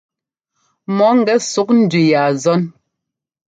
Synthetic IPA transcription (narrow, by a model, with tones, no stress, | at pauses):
mɔ˨˦ŋ̩˨ɡɛ˦su˨˦k̚n̩˦dʉ˨ja˨zɔ˦n